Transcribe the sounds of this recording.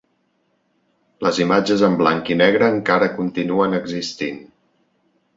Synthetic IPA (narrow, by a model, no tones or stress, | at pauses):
ləzimad͡ʒəzəmblaŋkinɛɣ̞ɾəːŋkaɾəkunt̪inuənəɡzist̪in